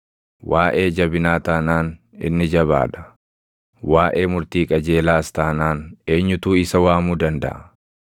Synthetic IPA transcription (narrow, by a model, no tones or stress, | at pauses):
wʔaːʔe̞ːd͡ʒɐbɪnaːt̪ɐːnaːnɪ̰nːɪd͡ʒɐβa̰ːᶑ̪ɐ̥ | waːʔe̞ːmʊɾt̪iːkʼɐd͡ʒeːlaːst̪aːnaːne̞ːɲːʊt̪uːɪsɐwaːmuːd̪ɐnd̪ɐ̰ʔɐ